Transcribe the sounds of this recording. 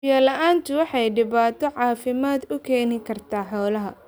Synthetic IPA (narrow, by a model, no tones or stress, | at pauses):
jaːlɐʔaːnt̪ʰʊwɑħɑjɖɪβaːt̪ʰɔʕɑːfɪmaːd̪ʊkʰɛːnɪkʰɐrt̪ʰaːħɔːlɐɦɐ